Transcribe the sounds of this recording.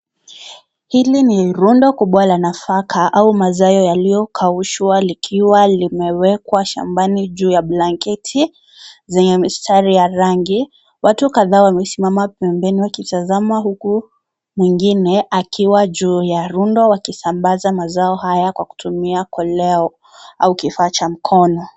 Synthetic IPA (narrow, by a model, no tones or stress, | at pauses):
hiliniɾundɔkuɓɔalanafakʰaʔaumazajɔjalijɔkʰauʃwalikʰiwalimɛwɛkwaʃa̰mbanid͡ʒuːjablaŋkɛtʰi | zɛɲɛmistʰaɾijaɾaŋɡi | watukaðaːwamɛsimamapɛmbɛniwakitazamaɦuku | miŋɡinɛʔakʰiwaʄuːjaɾundɔwakisambazamazaɔhajakwaku̥tʰumiakʰɔlɛɔ | aukifaːt͡ʃam̩kʰɔnɔ